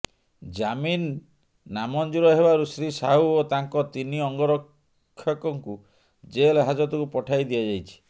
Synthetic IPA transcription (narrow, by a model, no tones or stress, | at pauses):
d͡ʒaminː | amɔnd͡ʒuɾɔɦebaɾusɾisaɦuot̪aŋkɔt̪iniɔŋɡɔɾɔkʰː | jɔkɔŋku | d͡ʒelɔɦad͡ʒɔt̪ɔkupɔʈʰajd̪iad͡ʒajt͡ʃʰi̥